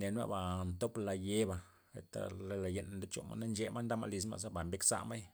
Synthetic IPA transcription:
ne˨nwa̰˦ba˨nt̪o˦pla˧je˦ba˧ | ḛ˨t̪a̰˨le˦la˨je˧˨n˨d̪e˦t͡ʃo̰˨ma̰˦na˦nd͡ʒe˦ma˦nd̪a˦ma̰˧li˧s̬ma̰˧sa˦ba˨mbe˦ksa̰˦ʔma˦j

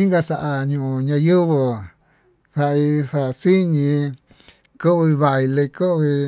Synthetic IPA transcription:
ĩ˦ŋɡa˧sa˨ʔa˧ɲũ˧˨ũ˧˨ɲã˧ju˦βo˧ | θa˧i˧sa˨˧si˦ɲĩ˧ | ko˦˧βi˧βa˧i˧le˧ko˦˧βi˧

